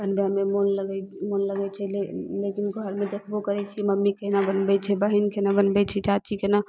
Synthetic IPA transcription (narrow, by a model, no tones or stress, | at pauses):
bənbjamemonləɡɛmonləɡɛt͡ʃʰɛlekinɡʱəɾmed̪ekʰbokəɾɛt͡ʃʰiməmːikenabənbɛt͡ʃʰɛbəɦinkenabənbɛt͡ʃʰɛt͡ʃat͡ʃikena